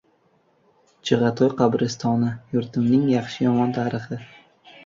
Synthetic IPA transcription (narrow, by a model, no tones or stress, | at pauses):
t͡ʃɪʁɑt̪ʰɒjqʰɑbɾɪst̪ʰɒnɪjʊɾt̪ʰɪmnɪŋjɑχʃɪjɒmɒnt̪ʰaːɾɪχɪ